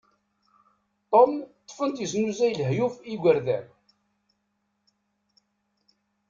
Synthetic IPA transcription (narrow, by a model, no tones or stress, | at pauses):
t̪ˤomt̪ˤːəfənt̪jəsnuzæjlɦjufiɡʷəɾðæ